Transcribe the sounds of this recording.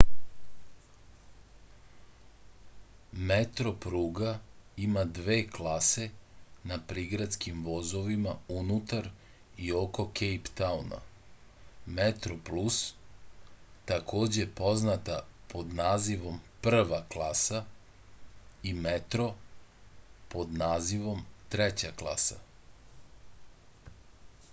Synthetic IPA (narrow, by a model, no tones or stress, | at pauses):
met̪ɾo̞pɾuːɡaimad̪ʋe̞ːklase̞napɾiɡɾat̪skimʋo̞zo̞ʋimaunut̪aɾ | io̞ko̞kʰejpt̪auna̰ | met̪ɾo̞plus | t̪akʰo̞ːd͡ʑepo̞znat̪apo̞d̪naːziʋo̞mpr̩ʋaklˠaːsa | imet̪ɾo̞ | po̞d̪naːziʋo̞mt̪ɾet͡ɕaklˠa̰sa̰